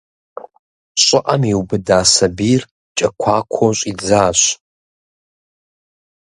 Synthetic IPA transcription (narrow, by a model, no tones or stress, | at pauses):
ɕʷʼɪʔʼamiwbɨdaːsabir | t͡ʃʼɐkʷʰaːkʷʰoɕʷʼid͡zaːɕʷ